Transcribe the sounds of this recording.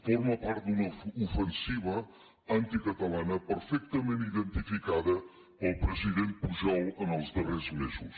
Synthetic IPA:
foɾməpaɾt̪̚d̪unəufənsiβ̞ə | ant̪ikət̪əlanəpəɾfɛk̚t̪əmeniðənt̪ifikaðə | pəlˠpɾəziðempuʒɔlˠənəlˠzd̪ərezmezus

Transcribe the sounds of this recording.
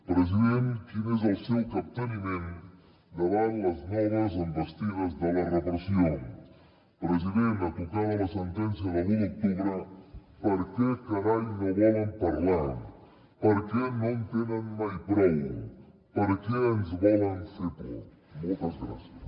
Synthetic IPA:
pɾəziðent̪kinezəlˠsɛwkap̚t̪ənimẽn | d̪əβanlɐznɛɣɐzəmbəst̪iβəzðəlɐrəpɾəsioŋ | pɾəziðent̪at̪ukaðəlɐsənt̪ɛns̬jɐðəβiuk̚t̪uβɾə | pəɾkekaɾaʎnoβɔləmpaɾla | pəɾkenõnt̪enənmajpɾɛu | pəɾkeənzβɔlənsit̪ṵ | molˠt̪ɐzɣɾa̰sjəs

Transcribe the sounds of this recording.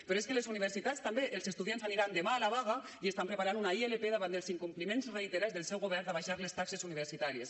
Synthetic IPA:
pɾoeskelezuniβ̞əɾsit̪ast̪ambeʔelˠzest̪uðjanzaniɾand̪emaːlaβaɣa | iest̪ampɾəpaɾanunaielepeðaβand̪eəlˠziŋkumplimenzreit̪eɾazðelˠsɛwɣoβɛɾd̪aβaʃaɾlest̪aksezuniβ̞əɾsit̪aɾies

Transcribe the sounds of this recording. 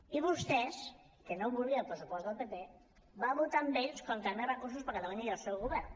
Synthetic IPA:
iβust̪ɛs | kənoβulˠɣiəlˠpɾəsupɔst̪əlˠpepe | baβut̪ambeʎskɔmt̪and̪ərəkurs̬uspəɾkat̪auɲəiəlˠsɛwɣuβɛrn

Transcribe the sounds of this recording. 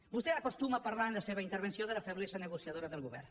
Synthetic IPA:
bust̪eakost̪umapaɾlanləseβ̞aint̪əɾβ̞ensjoðəlafeβlezənəɣusjaðoɾəðəlˠɣuβɛ̰ɾ

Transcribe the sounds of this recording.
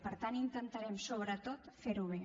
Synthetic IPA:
pəɾt̪anint̪ənt̪əɾɛmsoβɾət̪ot̪feɾuβ̞e

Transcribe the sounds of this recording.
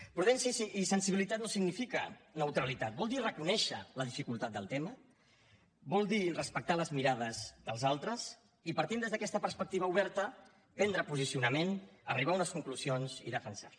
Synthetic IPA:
pɾuðɛnsjsisənsiβilit̪at̪̚nosiɡnifikənəwt̪ɾəlit̪at̪̚bɔlˠd̪irəkunɛʃələðifikulˠt̪at̪̚d̪ə̰lˠt̪ɛmə | bɔlˠd̪irəspək̚t̪aləzmiɾaðəzðəlˠzalˠt̪ɾəs | ipəɾt̪ind̪ezðəkɛst̪əpəɾspək̚t̪iβəuβɛɾt̪ə | pɛnd̪ɾəpuzisiunəmenəriβ̞aunəskuŋkluzionzḭðəfənsa

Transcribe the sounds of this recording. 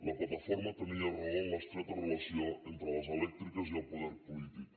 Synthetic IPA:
lɐplɐt̪ɐfoɾmɐt̪əniɐreoŋlɐst̪ɾɛt̪ɐrəlɐsioent̪ɾəlɐzelɛk̚t̪ɾikɐziəlˠpuðɛɾpulit̪ik

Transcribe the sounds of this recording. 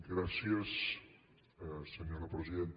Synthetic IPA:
ɡɾasjes | seɲoɾapɾesiðent̪

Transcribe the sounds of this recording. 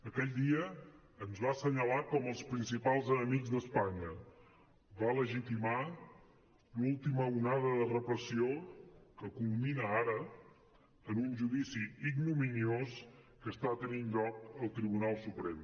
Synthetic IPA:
əkɛʎd̪iəː | nzβasəɲəlakɔməlˠspɾinsipalˠzənəmiɡzd̪əspaɲə | βaləʒit̪ima | lulˠt̪iməunaðəðərəpɾəsiokəkulˠminəaɾə | ənunʒuðisiiɡnuminios | kəst̪at̪əninʎɔk̚əlˠt̪ɾiβ̞unalˠsupɾem

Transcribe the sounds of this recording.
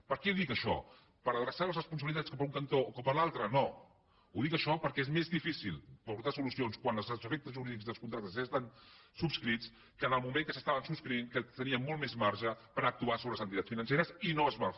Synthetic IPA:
pəɾkɛðikəʃɔ̰ | pəɾəðɾəsaləzrəspuns̬əβilit̪at͡sskɔpəuŋkənt̪oːkɔpəlalˠt̪ɾəno | uðikəʃɔpəɾkɛezmezðifisilˠpuɾt̪asulusionskwanlˠzzəfek̚t̪əzʒuɾiðikzðəlˠskunt̪ɾak̚t̪əszest̪ansupskɾit͡s | kənəlˠmumẽŋkəsəst̪aβənsupskɾiiŋkət̪əniəmːɔlˠmezmaɾʒəpəɾak̚t̪uasoβɾələzənt̪it̪at͡ssfinənseɾəsinoəzβa

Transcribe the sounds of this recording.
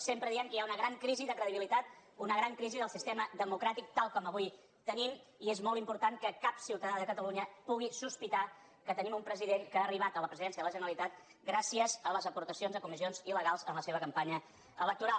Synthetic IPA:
sempɾəðiɛŋkəjaunəɣɾaŋkɾiziðəkɾəðiβilit̪at̪̚unəɣɾaŋkɾiziðəlˠsist̪ɛməðəmukɾat̪ik̚t̪alˠkɔməβuj | t̪ənimiezmɔlˠt̪impuɾt̪ankəkapsiwt̪əðaðəkət̪əluɲəpuɣ̞isuspit̪a | kət̪ənimumpɾəziðeŋkəaːriβ̞at̪ələpɾəziðɛnsiəðələʒənəɾəlit̪at̪̚ | ɡɾasiəzələzəpuɾt̪əsionzðəkumizionziləɣalˠzənləseβəkəmpaɲə | ələk̚t̪uɾa

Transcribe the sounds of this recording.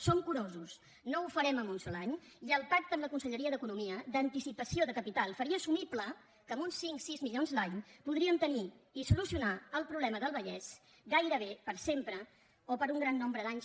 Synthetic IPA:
somkuɾozus | noufəɾɛməmunsolaɲiəlˠpak̚t̪əmləkunsəʎəɾiəðəkunumiəd̪ənt̪isipəsioðəkəpit̪alˠfəɾiəːsumiplə | kəmunsiŋksizmiʎonzlaɲpuðɾiəmt̪əniisulusiunaəlˠpɾuβlɛməðəlˠβəʎɛz | ɡajɾəβ̞epəɾsempɾə | opəɾuŋɡɾanːombɾəðaɲs

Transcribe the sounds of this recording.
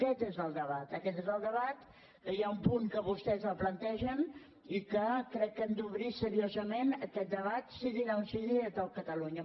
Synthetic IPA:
kɛt̪ezəlˠd̪əβat̪əkɛt̪ezəlˠd̪əβat̪ | kəjaumpuŋkəβust̪ɛzəlˠplənt̪ɛʒən | ikəkɾɛkːɛmd̪uβɾisəɾiozəmenəkɛt̪̚d̪əβat̪siðinaunsiðiət̪okət̪əluɲə

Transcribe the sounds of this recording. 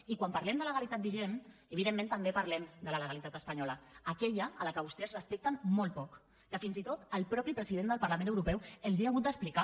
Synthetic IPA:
ikwampaɾlɛmd̪ələɣalit̪at̪biʒenəβiðemːẽnt̪əmbepəɾlɛmd̪ələləɣalit̪at̪əspəɲɔləːkɛʎəələkəβust̪ɛzrəspɛk̚t̪əmmɔlˠt̪̚pɔk | kəfinzit̪ot̪əlˠpɾɔpɾipɾəziðend̪əlˠpəɾlamẽnəwɾupɛwəlˠziaɣut̪̚d̪əsplika

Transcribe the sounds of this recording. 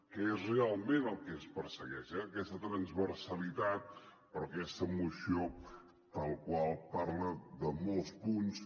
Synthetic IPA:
kəezrealˠmenəlˠkɛəspəɾsəɣɛʃɛəkɛst̪ət̪ɾənzβəɾsəlit̪at̪̚ | pəɾɔkɛst̪əmusio | pəlˠkwalˠpaɾləðəmolˠspuns

